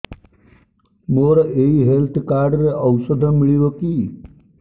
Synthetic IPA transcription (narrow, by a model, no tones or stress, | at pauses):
moɾɔeɦiɦelt̪ʰkaɾɖɾeʔəwsəd̪ʱəmiɭiboki